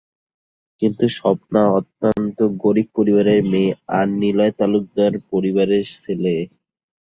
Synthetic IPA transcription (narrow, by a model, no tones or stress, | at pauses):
kint̪uʃɔp̚naɔt̪ːant̪oɡoɾib̚poɾiβaɾeɾmeanːilɔet̪aluk̚d̪aɾpoɾiβaɾesile